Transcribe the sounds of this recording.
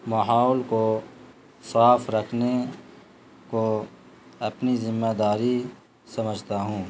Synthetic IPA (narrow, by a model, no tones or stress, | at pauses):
maɦaːʊlko | saːfɾɐkʰne | ko | ɐpnizɪmːeːd̪aːɾi | sɐməd͡ʒʱt̪aɦũː